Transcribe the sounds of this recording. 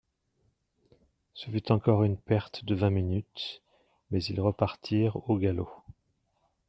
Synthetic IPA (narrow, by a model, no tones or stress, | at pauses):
səfyt̪ɑ̃kɔʁynpɛʁt̪d̪əvɛ̃minyt̪ | mɛzilʁəpaʁt̪ʰiʁoɡalo